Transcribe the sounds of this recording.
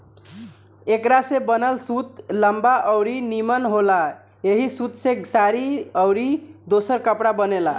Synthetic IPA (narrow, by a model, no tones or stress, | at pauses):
ekɾasẽbənəlsut̪ləmbaʔəʊɾinimənɦola | eɦisut̪sẽsaɾiəʊɾid̪osəɾkəpɽabənela